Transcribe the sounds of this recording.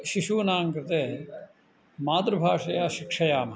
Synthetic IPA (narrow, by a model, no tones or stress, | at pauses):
ʃiʃuːnaːŋkɾɪt̪eː | maːt̪ɾəbʱaːʂɐjaːʃɪkʂɐjaːm